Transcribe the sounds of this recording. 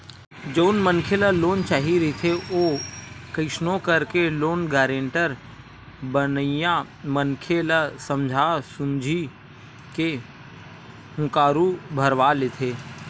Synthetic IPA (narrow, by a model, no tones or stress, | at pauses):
d͡ʒoʊnmənkʰeləloːnt͡ʃaːɦiɾɪt̪ʰeoːkəɪʃnõkəɾkeloːnɡɛːɾẽɳʈəɾ | bənjã | mənkʰelasəmd͡ʒʱasʊ̃nd͡ʒʱi | ke | ɦʊ̃kaːɾubʱəɾʋalet̪ʰeː